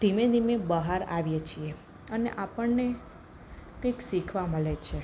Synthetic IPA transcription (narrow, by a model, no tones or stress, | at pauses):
d̪̥imed̪ʱimebəɦaɾaʋjet͡ʃʰie | ənḛʔapəɳne | kə̃jksikʰʋaməɭet͡ʃʰe